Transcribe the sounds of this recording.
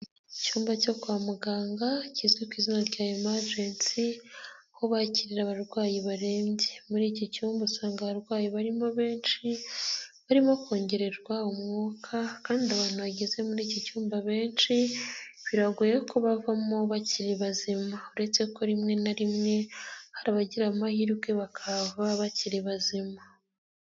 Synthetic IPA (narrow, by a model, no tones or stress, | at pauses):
icuːmbaco̞kwaːmuɡaːŋɡacizɡekwiːzinaɾɟaemaɾd͡ʒeːnsi | ho̞βaciɾiɾaβaɾɡwaːjiβaɾe̞ːɲɟemuɾiːcocuːmbusaːŋɡaβaɾɡwaːjiβaɾimo̞βe̞ːnʃi | βaɾimoko̞ːɲɟe̞ɾe̞ɾɡwaumŋoːkʰakaːndiaβaːn̥uβaɟeze̞muɾiːcocuːmbaβe̞ːnʃiβiɾaɡujekoβavamo̞βaciɾeβazimauɾe̞t͡se̞ko̞ɾimŋe̞naɾimŋe̞haɾaβaɟiɾamahiɾɡeβakʰavaβaciɾeβazima